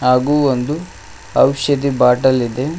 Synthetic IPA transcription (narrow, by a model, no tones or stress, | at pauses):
aːɡuːond̪u | ɐwʃɐd̪ibaːʈɐlid̪e̞